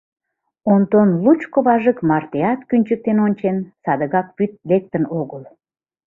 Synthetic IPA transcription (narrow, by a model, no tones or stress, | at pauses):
ont̪onlut͡ɕkoβɑʒəkmɑrt̪eɑt̪kynʲt͡ɕək̚t̪enonʲt͡ɕensɑd̪əɣɑkpyt̪̚lek̚t̪ənoɣəl